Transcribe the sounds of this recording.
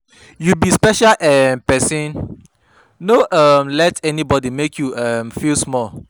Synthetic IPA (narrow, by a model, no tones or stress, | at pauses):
jubispɛʃalʔɛnpɛsĩn | noʔʌmlɛtɛnibɔdimekʰjuʌ̃mfilsmɔl